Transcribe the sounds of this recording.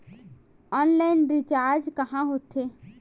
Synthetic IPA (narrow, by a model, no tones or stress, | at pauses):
ɔnlaɪnɾit͡ʃaːɾd͡ʒkɐɦãɦot̪ʰe